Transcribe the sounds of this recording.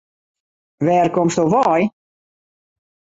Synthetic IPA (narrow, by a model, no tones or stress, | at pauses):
vɛːɾkɔmsɔvɑːj